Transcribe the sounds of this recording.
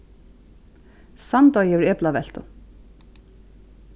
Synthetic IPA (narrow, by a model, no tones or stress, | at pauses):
sant̪ɔjɛvɪɹɛːplavɛl̥t̪ʊ